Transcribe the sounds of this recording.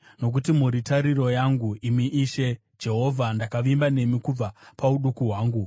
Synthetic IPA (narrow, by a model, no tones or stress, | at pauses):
no̞k̬utimuɾitaɾiro̞jaŋɡuimiʔiʃe̞ | d͡ʒe̞ɦo̞vʱandakaʋimbane̞mikub͡vapauɗukuɦwaːŋɡu